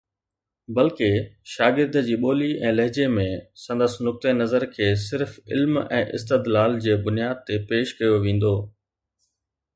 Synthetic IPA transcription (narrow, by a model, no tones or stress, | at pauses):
bɐlkeʃaːɡɪɾd̪d͡ʑiːɓoːliʔɛ̃ːlɐɦd͡ʑemẽsɐ̃nd̪əsnʊk̚t̪enɐzəɾkʰeːs̬ɪɾfɪ̰lmɛ̰̃ːʔɪ̰st̪ɪd̪laːld͡ʑeːbʊnijaːd̪̚t̪epeːʃkɐjoʋẽːn̆d̪oː